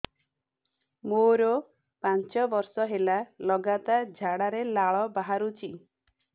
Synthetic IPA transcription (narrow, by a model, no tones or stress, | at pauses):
moɾɔ | pant͡ʃɔbɔɾsɔɦelalɔɡat̪ad͡ʒʱaɽaɾelaɭɔbaɦaɾut͡ʃʰi